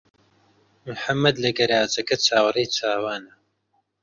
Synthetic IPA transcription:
mʊħamːɐd̪lɐɡɐɾaːzɐkɐt͡ʃʰaːwrejt͡ʃʰaːwaːnɐ

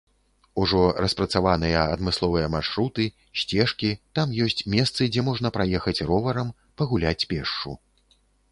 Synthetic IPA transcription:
uʐɔrɐspɾɐt̪savanɨjɐɐd̪mɨslˠɔvɨjɐmarʂɾut̪ɨ | ɕsʲt͡sʲɛʂkʲit̪amjɔsʲt͡sʲmʲɛst̪sɨd͡zʲɛmɔʐnɐpɾajɛxɐt͡sʲrɔvɐɾɐm | pɐɣulʲat͡sʲpʲɛʂt͡ʂṵ

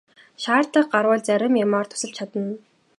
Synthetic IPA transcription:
ʃaːrt̪ə̆q̚ɢarwəːɮt͡sæɾʲɪ̆mjamaːrt̪ʰʊ̥sə̆ɮt͡ɕʰat̪ə̆n

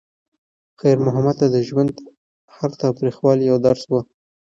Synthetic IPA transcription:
xajɾmʊɦamad̪̚t̪ad̪əʒwand̪ | haɾt̪ɑwt̪ɾixwɑlijawd̪aɾswə

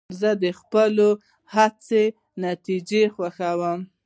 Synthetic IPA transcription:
zəd̪əxpəlo | hat͡se | nat̪id͡ʒexwaxawəm

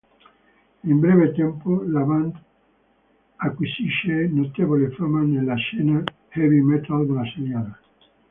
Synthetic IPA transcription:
imbɾɛːvet̪ɛmpolavand̪ | akːwisiʃːenot̪evolefamanelːaʃɛːna | hɛvimɛt̪ald̪elaseɾjala

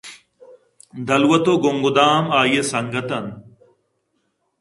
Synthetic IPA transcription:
d̪ʱɐlwɐt̪oːɡʊŋɡʊd̪aːmaːjeːsɐŋɡət̪ɐn

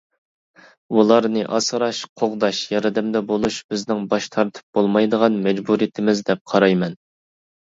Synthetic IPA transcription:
ulˠɑɾnɨʔɑsɾɑʃqʰoʁd̪ɑʃjɑɾɨd̪ɛmd̪ɛbolˠuʃb̥ɪznɪŋbɑʃt̪ʰɑɾt̪ʰɨ̥p̚b̥olˠmɑjd̪əʁɑnmɛd͡ʒbuɾijit̪ʰɪmɪzd̪ɛp̚qʰɑɾɑjmɛn

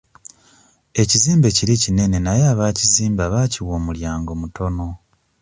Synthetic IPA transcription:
e̞ciziːmbe̞ciɾicine̞ne̞najeaːβaːciziːmbaβaːciwoːmuljaːŋɡo̞mutʰo̞no̞

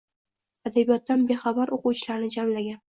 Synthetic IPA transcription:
ad̪abijɒt̪ːanbe̞χabaɾoqʊwt͡ʃʰɪlaɾnɪd͡ʒamlaɡʲan

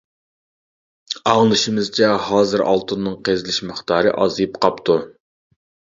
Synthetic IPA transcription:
ɑŋlˠɨʃimɨzt͡ʃʰɛhɑːzɨɾʔɑ̰lˠt̪ʰɨnːɨŋqʰezɪlɪʃmɨχt̪ʰɑːɾɨ̰ʔɑzɨjpqɑpt̪ʰu

